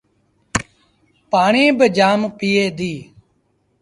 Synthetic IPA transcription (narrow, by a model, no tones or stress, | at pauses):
paːɳẽːbəd͡ʒaːmpiːeːd̪iː